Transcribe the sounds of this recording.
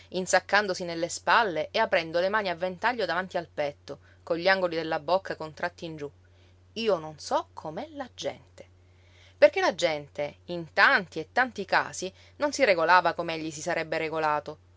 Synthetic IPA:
insakːand̪osinelːespalːeʔeapɾɛnd̪olemaːniavːent̪aʎːod̪avant̪ialpɛt̪ːo | koʎːiaŋɡolid̪elːabokːakont̪ɾʔat̪ːiːnd͡ʒu | iːononsɔkʰomɛlad͡ʒɛ̰nt̪e̥ | perkelad͡ʒɛnt̪eint̪ant̪iet̪ːant̪ika̰ːsi | nonsireɡolaːvakomeeʎːisisaɾɛbːeɾeɡolaːt̪o

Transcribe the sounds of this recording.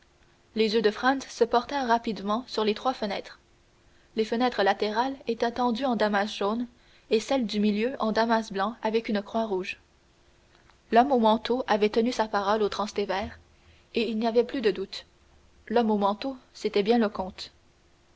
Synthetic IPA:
lezjød̪əfχɑ̃nsːəpɔʁt̪ɛʁːapid̪mɑ̃syʁlet̪χwafənɛːt̪χ | lefənɛt̪χəlat̪eʁalet̪ɛ̃t̪ɑ̃d̪yɑ̃d̪amasʒ̥on | esɛld̪ymiljøʔɑ̃d̪amasblɑ̃avɛkynəkχwaʁuːʒ | lɔmomɑ̃t̪oʔavɛt̪ənysapaʁɔlot̪χɑ̃st̪evɛːʁ | eilniavɛplyd̪əd̪ut̪ | lɔmomɑ̃t̪oset̪ɛbjɛ̃ləkɔ̃ːt̪

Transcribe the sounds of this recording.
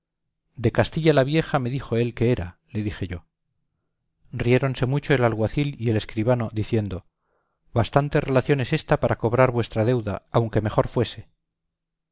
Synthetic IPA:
d̪e̞kast̪iʎalaβ̞je̞xame̞ðixo̞e̞lke̞eɾale̞ðixe̞ʝo̞ | rie̞ɾo̞nse̞mut͡ʃo̞elalɣwaθilie̞le̞skɾiβ̞ano̞ðiθje̞nd̪o̞ | βast̪ant̪e̞re̞laθjo̞ne̞se̞st̪apaɾʔako̞β̞ɾaɾβwe̞st̪ɾað̞e̞wðaawŋke̞me̞xo̞ɾfwe̞se̞

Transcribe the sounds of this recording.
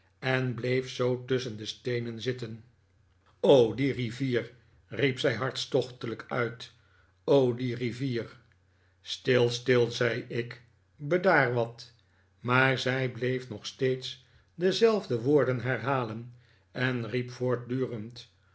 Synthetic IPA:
ɛnblejfsowtɵsəndəstejnənzɪtən | owdiriviːr | ripsɛjɦɑɹtstɔχtələkœɥt | owdiriviːɹ | stɪlˠstɪlˠzɛjɪk | bədaːɹʋɑt | maːɹzɛjblejfnɔχstejts | dəzɛlˠvdəʋoːɹdənɦɛɹɦaːlən | ɛnripfoːɹt̚dyːrənt

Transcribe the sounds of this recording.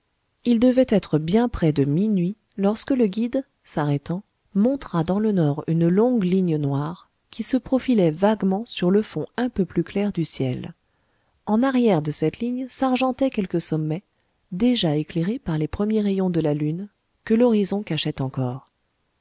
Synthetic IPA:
ild̪əvɛt̪ɛt̪χəbjɛ̃pχɛd̪əminɥi | lɔʁskələɡʲid̪ | saʁɛt̪ɑ̃ | mɔ̃t̪χad̪ɑ̃lənɔʁynlɔ̃ɡliɲənwaʁ | kʰʲisəpχɔfilɛvaɡmɑ̃syʁləfɔ̃ɛ̃pøplyklɛʁd̪ysjɛl | ɑ̃naʁjɛʁd̪əsɛt̪liɲsaʁʒɑ̃t̪ɛkʲɛlkəsɔmːɛ | d̪eʒaekleʁepaʁlepχəmjeʁejɔ̃d̪əlalyn | kəlɔʁizɔ̃kaʃɛt̪ɑ̃kɔːʁ

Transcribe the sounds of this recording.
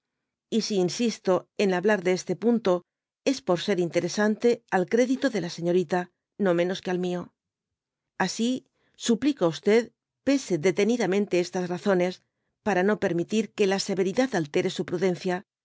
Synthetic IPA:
isiːnsist̪o̞e̞naβlaɾðeest̪e̞punt̪o̞ | e̞spo̞ɾse̞ɾint̪e̞ɾe̞sant̪e̞alkɾe̞ðit̪oðe̞lase̞ɲo̞ɾit̪a | no̞mẽ̞no̞skealmio̞ | asi | suplikoust̪e̞ð | pe̞se̞ðe̞t̪e̞niðamẽ̞nt̪e̞est̪azraθo̞ne̞s | paɾano̞pe̞ɾmit̪iɾke̞lase̞βe̞ɾiðaðalt̪e̞ɾe̞supɾuðe̞nθja

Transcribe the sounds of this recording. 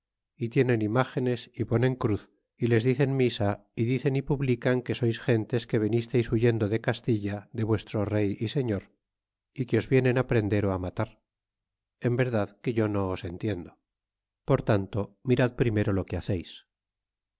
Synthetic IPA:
it̪je̞ne̞nimaxe̞ne̞sipo̞nẽ̞ŋkɾuθ | ile̞zðiθe̞nmisaiðiθe̞nipuβlikaŋke̞so̞jsxe̞nt̪e̞ske̞β̞e̞nist̪ejsuʝe̞nd̪o̞ðe̞kast̪iʎaðe̞βwe̞st̪ɾo̞re̞jise̞ɲo̞ɾ | ikeo̞zβje̞ne̞napɾe̞nd̪e̞ɾo̞amat̪aɾ | e̞mbe̞ɾðaðke̞ʝo̞no̞ːse̞nt̪je̞nd̪o̞ | po̞ɾt̪ant̪o̞miɾaðpɾime̞ɾo̞lo̞keaθe̞js

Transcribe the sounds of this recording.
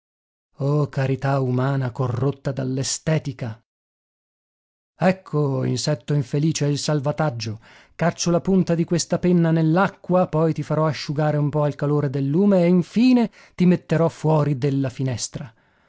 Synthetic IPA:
ɔkaɾit̪aumaːnakorːot̪ːad̪alːest̪ɛːt̪ika | ɛkʰːoḭnsɛt̪ːoiɱfeliːt͡ʃeilsalvat̪ad͡ʒːo | kat͡ʃolapunt̪ad̪ikwest̪apenːanelːakːwapɔjt̪ifaɾɔaʃːuɡaːɾeumpɔalkaloːɾed̪elːuːmeːiɱfiːne | t̪imet̪ːeɾɔfwɔːɾid̪elːafinɛst̪ɾa

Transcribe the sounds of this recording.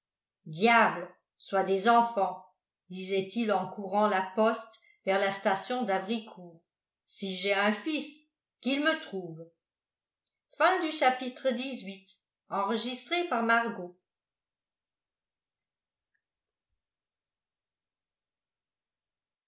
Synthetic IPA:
d̪jabl | swad̪ezɑ̃fɑ̃ | d̪izɛt̪ilɑ̃kuʁɑ̃lapɔst̪ | vɛʁlast̪asjɔ̃d̪avʁikʰuːʁ | siʒɛɛ̃fis | kilmət̪χuːv | fɛ̃d̪yʃapit̪χəd̪izɥit̪ | ɑ̃ʁəʒist̪χepaʁmaʁɡo

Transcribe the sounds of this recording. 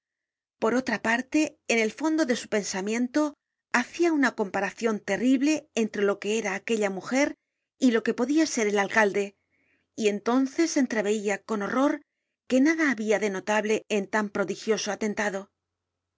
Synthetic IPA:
po̞ɾo̞t̪ɾapaɾt̪e̞ːne̞lfo̞nd̪o̞ðe̞su̥pe̞nsamjẽ̞nt̪o̞ | aθiaunako̞mpaɾaθjo̞nt̪e̞riβle̞ːnt̪ɾe̞lo̞ke̞eɾaːke̞ʎamuxe̞ɾ | ilo̞ke̞po̞ðiase̞ɾe̞lalkald̪e̞ | ie̞nt̪o̞nθe̞se̞nt̪ɾe̞β̞e̞iako̞no̞ro̞ɾ | ke̞naðaːβiaðe̞no̞t̪aβle̞ent̪ampɾo̞ðixjo̞so̞at̪e̞nt̪aðo̞

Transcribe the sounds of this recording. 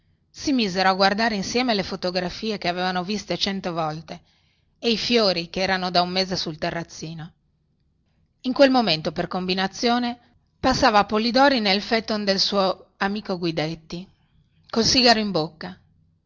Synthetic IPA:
simizeɾoaɡward̪aːɾeinsjɛːmelefot̪oɡɾafiːekeaveːvanovist̪et͡ʃɛnt̪ovɔlt̪eː | ifjoːɾikeɛːɾanod̪aumːeːzesult̪erːat̪sːiːno | iŋkwelmoment̪operkombinat̪sːjoːne | pasːaːvaːpolid̪ɔːɾinelfet̪ːond̪elsuːoamiːkoɡwid̪et̪ːi | kolsiːɡaɾoimbokːa

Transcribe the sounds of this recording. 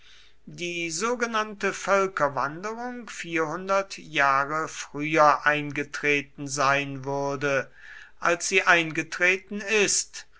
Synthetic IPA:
diːzoːɡənantəfœlkɐvandəʁʊŋfiːɐhʊndɐtjaːʁəfʁ̥yːɐʔaɪnɡətʁ̥eːt̚n̩zaɪnvʊɐdə | ʔalsz̥iːʔaɪnɡətʁ̥eːtn̩ɪst

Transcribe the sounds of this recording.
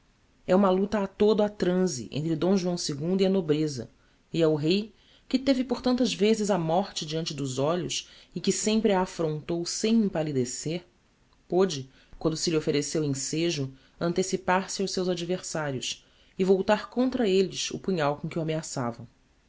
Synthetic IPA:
ɛũmɐlut̪ɐːt̪od̪ʊat̪ɾɐ̃zḭʔḛ̃nt̪ɾɪd̪õw̃ʒuɐ̃w̃seɡũnd̪iɐnobɾezɐ̰ | iawɦej | kɪt̪evɪpoɾt̪ɐ̃nt̪ɐzvezɪzamɔɾt͡ʃɪd͡ʒiɐ̃nt͡ʃɪd̪ʊzɔʎʊsɪkɪsẽmpɾɪaːfɾõnt̪owsẽj̃ẽpalid̪eseɾ | pod͡ʒɪ | kwɐ̃nd̪ʊsɪliofeɾesewẽseʒʊ | ɐ̃nt̪esipaɾsɪawʃsewzad͡ʒiveɾsaɾjʊs | ɪvowt̪aɾkõnt̪ɾɐelɪsʊ̰puɲawkõkɪuameasa̰vɐ̰̃w̃

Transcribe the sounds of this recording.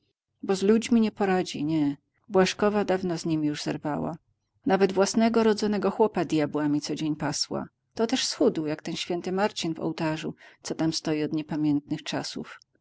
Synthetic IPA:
bɔzlud͡ʑmʲiɲɛpɔɾad͡ʑiɲɛ | bwaʂkɔvad̪avnɔzɲimʲijuʐzɛ̰ɾvawa̰ | navɛd̪vwasnɛɡɔɾɔd̪zɔnɛɡɔxwɔpad̪ʲjabwamʲit̪sɔd͡ʑeɲpaswa̰ | t̪ɔt̪ɛʂsxud̪wjakt̪ɛnɕfʲjɛnt̪ɘmaɾt͡ɕinvɔ̰wt̪aʐut̪sɔt̪amst̪ɔjiɔd̪ɲɛpamʲjɛnt̪nɘxt͡ʂasṵf

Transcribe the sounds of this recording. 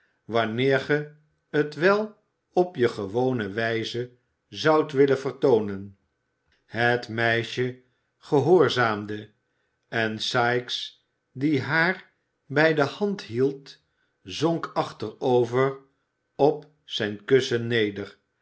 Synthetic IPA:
ʋɑnɪːɹχə | ətʋɛlˠ | ɔpjəχəʋownəʋɛjzə | zɑwtʋɪlənvərtownən | hətmɛjʃə | χəɦoːɹzaːmdə | ɛnsɑjks | diɦaːr | bɛjdəhɑntɦilˠt | zɔŋkɑχtərowvər | ɔp | sɛjnkɵsənːejdər

